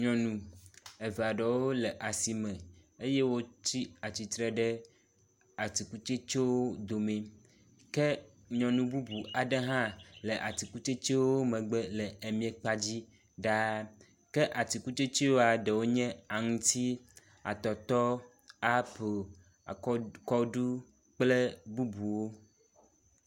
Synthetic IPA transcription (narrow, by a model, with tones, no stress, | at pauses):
ɲɔ̃˨nũ˨e˨ve˨a˨ɖe˨wo˦le˨ʔa˨si˨mɛ̃˨e˦je˦wo˦t͡ɕi˦a˨t͡ɕi˨t̪ɾɛ˨ɖɛ˦ | a˨t̪i˨ku˦t͡ʃe˦t͡ʃe˦wo˦d̪o˨mɛ̃˨ | ke˦ | ɲɔ̃˨nũ˨bu˦bu˨a˨ɖe˦ɦã˦le˨ʔa˨t̪i˨ku˦t͡ʃe˦t͡ʃe˦wo˦mɛ̃˨ɡ͡bɛ˦le˨e˨mĩ˦e˨k͡pa˦d͡ʑi˦ | ɖa˦ | ke˦ʔa˨t̪i˨ku˦t͡ʃe˦t͡ʃe˦wo˦a˨ɖe˨wo˦ɲɛ̃˦a˨ŋũ˦t̪i˦ | a̰˨t̪ɔ˨t̪ɔ˦ | a˦po˨˦ | kɔ˦ɖu˦ | k͡ple˦bu˦bu˨wo˦